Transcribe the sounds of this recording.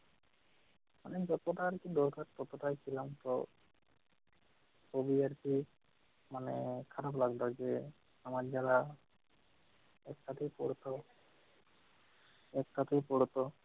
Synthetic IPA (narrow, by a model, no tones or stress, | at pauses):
manɛd͡ʒɔt̪ɔʈaɾkid̪ɔɾkaɾpɔt̪ɔʈajt͡ʃʰilamt̪ɔ | obiaɾpi | manɛkʰaɾablaɡd̪ɔd͡ʒe | amad͡ʒaɾa | ɛk̚ʈat̪ʰijpɔɽɔt̪ɔ | ɛk̚ʈat̪ijpɔɽɔt̪ɔ